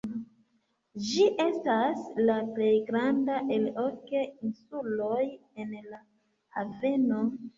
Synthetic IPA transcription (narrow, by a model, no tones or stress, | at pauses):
d͡ʒiʔe̞staslaple̞jɡɾandaʔe̞lokeinsulo̞je̞nla | have̞no̞